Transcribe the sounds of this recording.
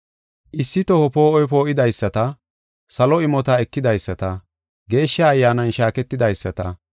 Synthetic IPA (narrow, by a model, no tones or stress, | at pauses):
ʔɪsːɪt̪ɔhɔpo̞ːʔɔjp̬o̞ːʔɪd̪ɐjsːɐt̪ɐ | sɐlɔɪmɔt̪ɐɛkːɪd̪ɐjsːɐt̪ɐ | ɡe̞ːʃːaːjːaːnɐnʃaːkɛt̪ːɪd̪ɐjsːɐt̪ɐ̰